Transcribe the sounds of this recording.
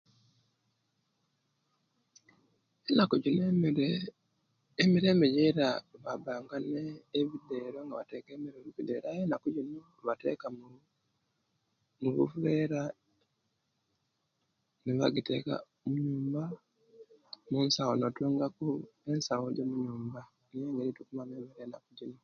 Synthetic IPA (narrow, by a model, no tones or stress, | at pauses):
enakuɟin | emiɾe̞ːmbejeɾaβabaːŋɡaneːβideːɾoŋɡaβatekeːmiɾoβuβideɾaenakuɟino | βate̞̰kam | muβṵfuleːɾa | niβa̰ɡitḛka̰ | muɲuːmba | munsawonotuːŋɡakuensawoɟomuɲuːmba | nijeŋɡeɾitukumameːmeɾeːnakuɟino